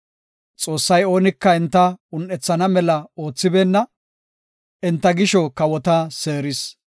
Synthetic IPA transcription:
t͡sʼo̞ːsːɐjo̞ːnɪkːɐɛnt̪ːɐʊnːɛt͡sːɐnɐmɛlɐo̞ːt͡sːɪbeːnːɐ | ɛnt̪ːɐɡɪʃɔkɐwɔt̪aseːɾɪs

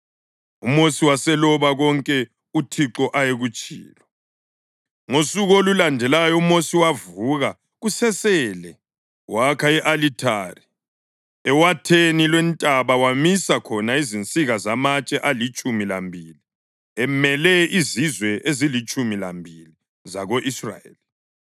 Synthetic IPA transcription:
umosiwasɛlɔβaɣɔŋkʼɛ | utʰiǁɔʔajeɣut͡ʃʼḭːlɔ | ŋosuɣolulandʱɛlajɔumosiwavuɣa | ɣusɛsɛːlɛ | wakʰaɛʔalitʰa̰ːri | ɛwatʰenilwɛntʼaβawamisakʰɔnaizint͡sʼiɣazamat͡ʃʼɛʔalit͡ʃʼumila̰mbʱili | ɛmɛlɛizizwɛʔezilit͡ʃʼumila̰mbʱili | zaɣoʔisra̰jḛli

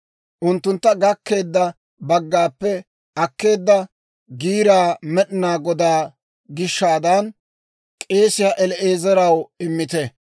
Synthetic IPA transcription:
ʔʊnt̪ːʊnt̪ːɐɡɐkːe̞ːd̪ːɐ | bɐɡːaːpːɛ | ʔɐkːe̞ːd̪ːɐ | ɡiːɾaːmɛɗɪnaːɡɔd̪aː | ɡɪʃːaːd̪ɐn | kʼe̞ːsɪjaːʔɛlɛʔe̞ːzɐɾɐwɪmːɪt̪ɛ

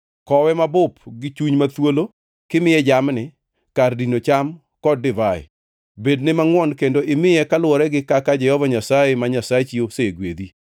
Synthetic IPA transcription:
kɔwɛmabʊpɡɪt͡ʃuɲmat̪wolo | kɪmɪjɛd͡ʒamnɪ | kardinot͡ʃam | kɔdːɪvaɪ̰ | bednɪmaŋwɔnkendoʔɪmɪjɛkalwɔɾɛɡɪkakad͡ʒɛhɔvaɲasajemaɲasaet͡ʃioseɡwed̪i

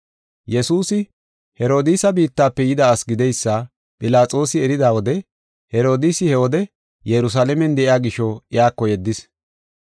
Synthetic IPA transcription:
jɛsuːsɪ | hɛɾo̞ːd̪iːsɐbiːt̪ːaːpːɛjɪd̪aːsɡɪd̪ɛjsːɐ | pʼɪlaːt͡sʼo̞ːsɪɛɾɪd̪aːwɔd̪ɛ | hɛɾo̞ːd̪isɪhɛwɔd̪ɛ | jɛɾʊs̬aːlɛmɛnd̪ɛʔɪjaːɡɪʃɔɪjaːkːɔjɛd̪ːɪs

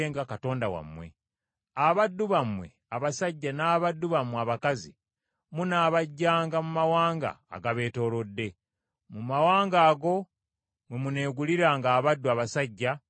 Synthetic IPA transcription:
eŋɡakato̞ːndawa̰mwe̞̰ | aβadːuβamwe̞̰ | aβasaɟːanaːβadːuβamwaβakazḭ | munaːβaɟːaːŋɡamumawaːŋɡa̰ːɡaβe̞ːto̞ːlo̞dːe̞ | mumawaːŋɡaːɡo̞ | mwemune̞ːɡuliɾaːŋɡaːβadːuaβasaɟːa

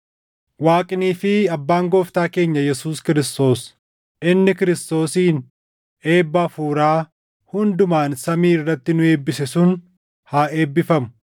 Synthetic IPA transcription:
waːkʼɪniːfɪɐbːaːŋɡɔːft̪aːke̞ːɲːɐjɛsuːskɪɾɪst̪o̞ːs | ʔɪnːɪkɪɾɪst̪o̞ːsiːn | e̞ːbːɐfuːɾaː | hʊnd̪ʊmaːnsɐmiːɪrːɐt̪ːɪnʊe̞ːbːɪsɛsʊn | haːe̞ːbːɪfɐmʊ̥

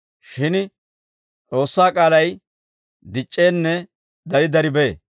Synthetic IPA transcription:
ʃɪn | t͡sʼo̞ːsːaːkʼaːlɐj | d̪ɪt͡ʃʼːe̞ːnːɛ | d̪ɐɾɪd̪ɐɾɪbe̞ː

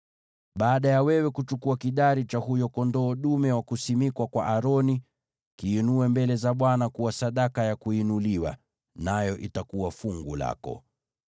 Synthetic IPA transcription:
ɓaːɗajawɛwɛkut͡ʃukuakiɗaɾit͡ʃahujɔkɔndɔːɗumɛwakusimikwakwaʔaɾɔni | kiːnuɛmbɛlɛzaɓwanakuwasaɗakajakuinuliwa̰ | najɔʔitakuwafuŋɡula̰kɔ̰

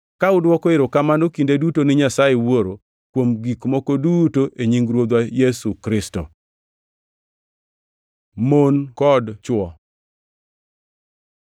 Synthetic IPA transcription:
kaʊdwɔkɔɪɾokamanokindedutonɪɲasajewoɾo | kwomɡikmɔkodutoʔeɲiŋɡɾwod̪wajɛsukɾɪstɔ̰ | monkɔdt͡ʃwɔ

